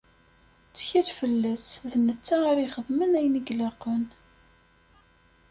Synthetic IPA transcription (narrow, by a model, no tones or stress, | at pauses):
t͡sːə̥çiɾfəlːæsðnːət͡sːaaɾiχəðˤmənæjnəɡlɑqən